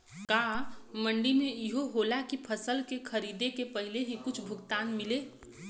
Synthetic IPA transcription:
kaːməɳɖimẽɪɦoɦoːlakipʰəsəlkekʰəɾiːd̪ekepɐɦɪleɦĩkʊt͡ʃʰbʱʊɡt̪aːnmɪleː

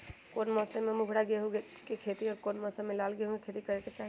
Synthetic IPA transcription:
koːnmɔːsememʊɡʱɽaɡeɦũɡe | kekʰet̪iɔːɾkoːnmɔsemɪlaːlɡeɦũɡekʰet̪ikəɾeket͡ʃaːɦi

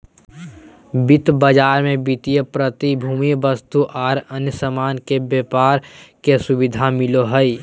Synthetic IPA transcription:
bɪt̪bəd͡ʒaːɾmẽbɪt̪ijəpɾət̪ibʱuːmibəst̪uʔaːɾənjəsəmaːnkebjepaːɾkesʊbɪd̪ʱamɪloɦəi

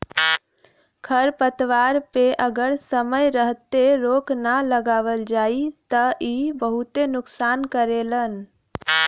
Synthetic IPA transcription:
kʰəɾpət̪ʋaɾpeʔəɡəɾsəməjɾəɦt̪eɾoknaləɡaːʋəld͡ʒait̪əʔibəɦut̪enʊksaːnkəɾelən

